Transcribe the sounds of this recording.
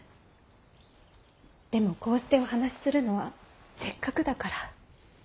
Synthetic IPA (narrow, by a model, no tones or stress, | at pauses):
d̪̥e̞mo̞ko̞ːɕi̥t̪e̞o̞hanaɕi̥sɨɾɯ̟no̞βase̞kːakɯ̟d̪akaɾa